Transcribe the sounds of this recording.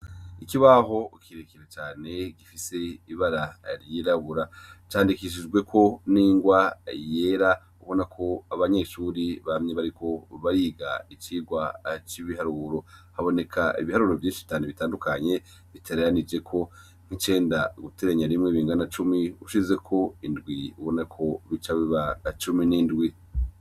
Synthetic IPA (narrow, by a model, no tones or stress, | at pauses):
ikiβaɦo̞kʰiɾekiɾet͡ʃaːne̞ɡifise̞iβaɾaɾjiɾaβuɾat͡ʃaːndikiʃ̬id͡ʒɡwe̞kʰo̞niːŋɡwajeɾa | uβo̞nakʰo̞aβaɲe̞ʃuːɾiβamɲe̞βaɾiko̞βaɾiːɡa̰it͡ʃiːɡwat͡ʃiβiɦaɾuɾo̞haβo̞ne̞kʰaʔḭβihaɾuɾo̞vjiːnʃi̥it͡ʃaːneβitaːndukaɲe̞ | βitʰeɾeɾanid͡ʒe̞kʰo̞ | ŋ̥hit͡ʃe̞ːndaɡuteɾeɲaɾimŋeβiːŋɡanat͡ʃumiuʃize̞kʰo̞indɡwiuβo̞nakʰo̞βit͡ʃaβiβat͡ʃuminindɡwi